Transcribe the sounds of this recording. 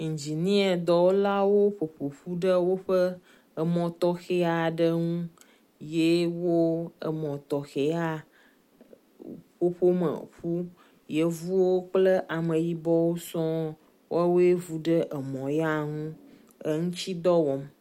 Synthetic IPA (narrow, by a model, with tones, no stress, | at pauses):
ŋ̩̃˨d͡ʑi˨nĩ˦e˨d̪ɔ˨wo˦la˦wo˦ɸo˨ɸo˨ɸu˦ɖə˦wo˦ɸə˦ | ə˨mɔ̃˨t̪ɔ˦xe˦a˨ɖə˦ŋũ˦ | je˦wo˦ə̰˨mɔ̃˨t̪ɔ˨xe˨a˦ | ɸo˦ɸo˦mə̰˨ɸu˦ | je˦vu˦wo˦k͡plə˦ʔa˨mə̃˨ji˦bɔ˦wo˦sɔ̃˦ | wa˦wo˦e˦vu˦ɖə˦ʔə˨mɔ̃˨ja˦ŋũ˦ | ə˦ŋũ˦t͡ɕi˦d̪ɔ˦wɔ˨m